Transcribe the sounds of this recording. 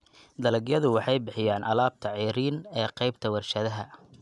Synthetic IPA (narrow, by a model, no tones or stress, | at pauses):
d̪ɐlɐɡjɐðʊwɑħɑjbɪħɪjaːnʔɐ̰laːb̚t̪ʰɐʕiːɾiːnɛːqɑjbt̪ʰɐwɐrʃɐðɐɦɐ